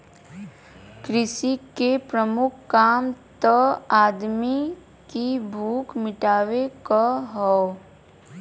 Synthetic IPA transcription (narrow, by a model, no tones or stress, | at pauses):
kɾɪʃikepɾəmʊkʰːaːmt̪əaːd̪mi | kibʱuːkʰmɪʈaːwekaɦɔ